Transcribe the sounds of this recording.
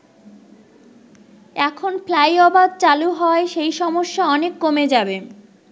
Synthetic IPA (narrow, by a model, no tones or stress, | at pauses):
ɛkʰonflajɔbad̪̚t͡ɕaluɦɔeʃejʃɔmoʃːaɔnekːomed͡ʑabe